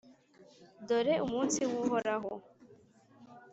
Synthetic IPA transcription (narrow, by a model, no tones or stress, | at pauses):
dɔɾeʔumuntiwuɦɔɾaɦɔ